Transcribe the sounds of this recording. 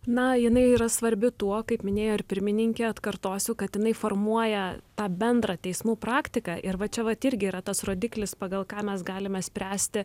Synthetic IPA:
nɐjɪnɐɪiːɾɐsʋɐɾʲbʲɪt̪uɔkɐɪpmʲɪnʲeːjoːɪɾpʲɪɾʲmʲɪnʲɪŋʲkʲeɐt̪kɐrt̪oːsʲʊkɐt̪jɪnɐɪfoːrmuɔjɛt̪ɑːbʲɛnd̪ɾɑːt̪ʲɛɪsmuːpɾɑːkt̪ʲɪkɑʔɪɾʋɐt͡ʃʲɛʋɐt̪ɪɾʲɡʲɪiːɾɐt̪ɐsroːd̪ʲɪklʲɪspɑɡɐlˠkɑːmʲɛsɡɑːlʲɪmʲɛsʲpʲɾʲæːsʲt̪ʲɪ

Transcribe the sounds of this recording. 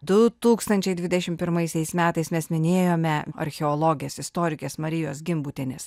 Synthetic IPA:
d̪ʊt̪uːkst̪ɐnʲt͡ʃʲɛɪd̪ʲʋʲɪd̪ʲɛʃʲɪmpʲɪɾmɐɪsʲɛɪsmʲæːt̪ɐɪsmʲɛsmʲɪnʲeːjoːmʲɛɐ̰ɾʲxʲɛɔlˠoːɡʲɪjɛsɪst̪oːɾʲɪkʲesmɐɾʲɪjoːsɡʲɪmbuːt̪ʲɪnʲɪs

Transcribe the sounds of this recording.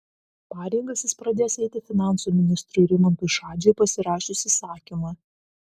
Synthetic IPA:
pɑːɾʲɛŋɡɐsʲjɪspɾɐd̪ʲeːjsɛɪt̪ʲɪfʲɪnɑˑnsumʲɪnʲɪst̪ɾuɾʲɪmɐnt̪uʃɑːd͡ʒʲɛpɐsʲɪɾɑːʃʲʊsʲɪsɑːkʲimɐ

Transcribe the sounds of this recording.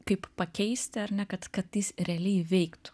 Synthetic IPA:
kɐɪppɐkʲɛɪsʲt̪ʲɪɐɾnʲɛkɐt̪kɐt̪ːʲɪsɾʲɛɐlʲɛɪʋʲɛɪkt̪ʊ̥

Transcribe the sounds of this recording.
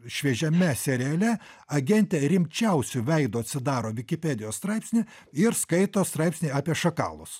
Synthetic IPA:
ʃʲʋʲiɛʒʲɛmʲɛsʲɛɾʲɛːlʲɛ | ɐɡʲɛnʲt̪ʲeɾʲɪmʲt͡ʃʲɛʊsʲʊʋʲɛɪd̪oːɐt̪ʲsʲɪd̪ɑːɾoːʋʲɪkʲɪpʲeːd̪ʲɪjoːsst̪ɾɐɪpʲsʲnʲɪ | ɪɾskɐɪt̪oːst̪ɾɑˑɪpʲsʲnʲɛɪɑːpʲiɛʃɐkɑ̰ːlˠʊs

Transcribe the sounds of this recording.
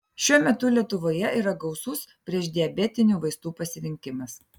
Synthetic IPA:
ʃʲuɔmʲɛt̪ʊlʲiɛt̪ʊʋoːjɛiːˑɾɐɡɐʊsuspʲɾʲiɛʃd̪ʲiɛbʲɛt̪ʲɪnʲuːʋɐɪst̪uːpɐsʲɪɾʲɪŋʲkʲɪmɐs

